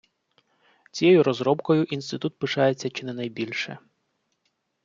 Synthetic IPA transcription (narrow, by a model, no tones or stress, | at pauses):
t͡sʲijɛjʊɾɔzɾɔbkɔjʊʔinst̪ɪt̪ut̪̚pɪʃɑjet͡sʲːɐt͡ʃɪnɛnɐjbʲilʲʃɛ̰